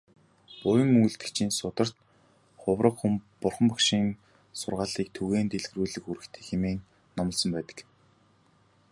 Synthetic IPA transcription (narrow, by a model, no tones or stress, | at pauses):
pʊjə̆ŋujɮt̪ɘ̆t͡ɕʰiːnsʊt̪ə̆r̥t̪ | χʊwrə̆qχumpʊrχə̆mpɔkʃiːn | sʊrʁaːɮiːk̚t̪ʰuɣeːnt̪eɮɣruːɮɘ̆xuɾɘ̆kt̪ʰeːxemeːŋ | nɔmɞ̆ɮsɞ̆mpæːt̪ə̥̆k